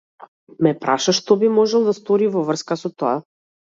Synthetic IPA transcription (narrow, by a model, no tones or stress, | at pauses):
mɛpɾaʃaʃt̪ɔbimɔʒɛlˠd̪ast̪ɔɾivɔvr̩skasɔt̪ɔa